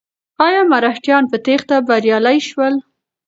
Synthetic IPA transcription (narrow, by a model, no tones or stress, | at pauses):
ɑjɑmaɾahʈjɑnpət̪ext̪abaɾjɑlajʃwəl